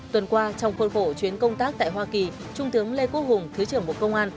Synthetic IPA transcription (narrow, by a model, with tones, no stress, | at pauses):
t̪wə˨˩nkwaː˧t͡ɕɔ˧wŋ͡mxwə˧nxo˧˩t͡ɕwi˨˦ənkə˧wŋ͡mt̪aː˦˥k̚t̪a̰ː˧˨jɦwaː˧ki˨˩ | t͡ɕʊ˧ŋ͡mt̪ɨ˨˦əŋle˧ko˧˥hʊ˨˩ŋ͡mt̪ʰɨ˨˦t͡ɕɨ˨˩əŋmo˨˩t̚kə˧wŋ͡mʔaː˧n